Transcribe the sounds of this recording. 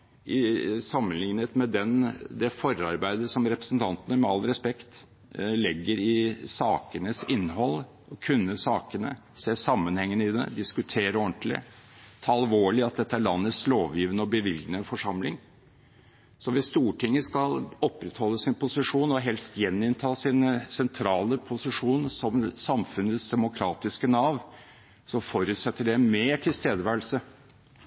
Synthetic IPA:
ɪsɑmːənlɪŋnət̪mɛd̪ɛnd̪ɛfɔɾɑɾbæɪd̪əʂɔmɾɛpɾəsənt̪ʰɑnt̪ənəmɛɑlɾɛspɛkt̪ | lɪɡːəɾɪsɑːkənəsɪnːɦɔl | ɔkʰʉnːəsɑːkənə̰ | seːsɑmːənhɛŋːənəɪd̪ɛ̰d̪ɪskʉt̪ʰeːɾəɔnt̪lɪ̰t̪ʰɑːɑlʋoːɭɪɑt̪̚d̪ɛt̪ːəæɭɑnːəsloːʋjiːʋənəɔbəʋɪlɡ̪nəfɔʂɑmlɪŋ | sɔʋɪst̪uːʈʰɪŋːəskɑlɔpːɾɛt̪hɔlːəsɪnpʰʊsɪʂuːnɔɦɛlst̪jɛnːɪnt̪ʰɑːsiːnəsɛnt̪ʰɾɑːləpʰʊsɪʂuːnəsɔmsɑmfʉnəsd̪ɛmʊkʰɾɑːt̪ɪskənɑːʋ | sɔfɔɾʉːt̪sɛt̪ːəɖɛmeːʈʰɪlst̪eːd̪əʋæːəl̩sə

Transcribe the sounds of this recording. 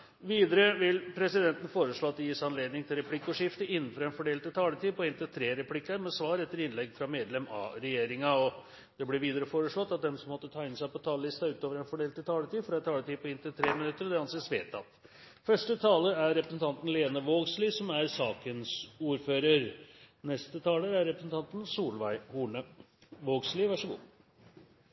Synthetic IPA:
ʋiːd̪əɾəʋɪlpʰɾɛsɪd̪ɛnt̪ən̩foːɾəʂɭoːɑt̪̚d̪ɛjiːsæɪɑnleːd̪nɪŋt̪ʰɪlɾɛpʰlɪkːʊʂɪft̪əɪnːn̩fɔɾɛnfɔɖeːlt̪ɪlt̪ʰɑːlət̪iːpʰɔɪnt̪ɪt̪ʰɾeːɾɛpʰlɪkːɑɾmɛsʋɑːɾɛt̪ːəɾɪnlɛɡfɾɑmeːd̪lɛmɑ̰ɾɛjeːɾɪŋɑɔ | d̪̥ɛblɪʋiːd̪əɾəfoːɾəʂɭɔt̪ːɑt̪̚d̪ɛmsɔmːɔt̪ːət̪ʰɑːɪnəsæɪpɔt̪ʰɑːləlɪst̪ɑʉːt̪oːʋəɾɛnfɔɖeːlt̪ːɪlt̪ʰɑːlət̪iːfɾɑɛt̪ʰɑːlət̪iːpʰɔɪnt̪ɪlt̪ʰɾeːmɪnʉt̪ːəɾɔd̪ɛɑnseːsʋeːt̪ɑ̰t̪ | fœʂʈət̪ʰɑːləæɾɾɛpɾəsən̩t̪ʰɑnt̪n̩leːnəʋoːɡsliːsɔmæɾsɑːkənsuːɾføːɾəɾnɛst̪ət̪ʰɑːləɾæɾːɛpɾəsn̩t̪ʰɑnt̪nsuːlʋæɪhuːɳə | ʋoːɡslɪʋɑʂəɡṵː

